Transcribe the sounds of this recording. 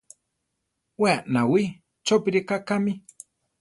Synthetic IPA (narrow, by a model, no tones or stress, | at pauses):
weaʔnawi | t͡ʃopiɾikakami